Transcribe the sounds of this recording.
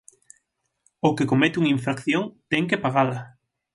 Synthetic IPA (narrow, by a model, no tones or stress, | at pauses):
okekomet̪uŋiɱfɾakθjoŋt̪ɛŋkepaɣala